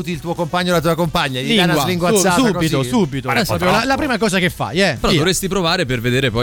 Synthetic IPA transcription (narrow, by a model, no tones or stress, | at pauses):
ut̪ilt̪uːokompaɲːolat̪̬uːakompaɲːad̪iŋnawliŋɡwaaukobit̪osubit̪oɔpɾjolalapɾiːmakɔːzakefːa̰jɛeɾɔd̪ovɾest̪ipɾovaːɾeperved̪eːɾepɔ